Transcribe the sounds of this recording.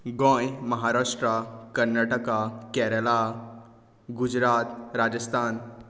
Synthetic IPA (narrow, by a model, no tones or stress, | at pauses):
ɡɔ̃jməɦaɾaʂʈɾakəɾnaʈəkakɛɾəla | ɡud͡ʒɾaːt̪ɾad͡ʒəst̪ʰan